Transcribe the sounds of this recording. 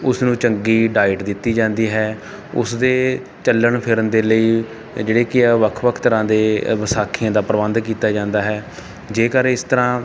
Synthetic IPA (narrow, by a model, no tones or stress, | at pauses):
ʊsnũːt͡ʃəŋɡiːɖaːɪʈd̪ɪt̪ːiːd͡ʒãːnd̪iːɦɛː | ʊ̰sd̪eː | t͡ʃəlːəɳpʰɪɾənd̪eːləiː | d͡ʒeːɽeːkɪʋəkʰʋəkʰt̪əɾãːd̪eːʋəsaːkʰiãːd̪aːpəɾəʋə̃nd̪k̬iːt̪aːd͡ʒãːnd̪aːɦɛː | d͡ʒeːkəɾɪst̪əɾãː